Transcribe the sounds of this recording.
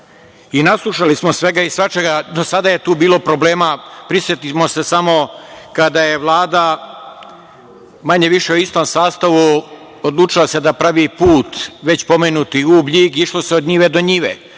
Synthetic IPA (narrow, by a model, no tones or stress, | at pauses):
inaslˠuʃalismosʋe̞ɡaisʋat͡ʃeɡad̪osad̪aje̞t̪uːbiːlˠo̞pɾo̞ble̞ːmapɾisʋjet̪imo̞se̞samo̞kad̪aje̞ʋlˠaːd̪a | maɲe̞ʋiʃeoist̪omsaːst̪aʋu | od̪lˠuːt͡ʃilˠase̞d̪apɾaʋipuːt̪ʋe̞t͡ɕpo̞menut̪iublʎiɡiʃlo̞seod̪ɲiʋed̪o̞ɲiʋḛ